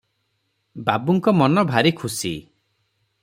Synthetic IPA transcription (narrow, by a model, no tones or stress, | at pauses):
babuŋkɔmɔnɔbʱaɾikʰusḭ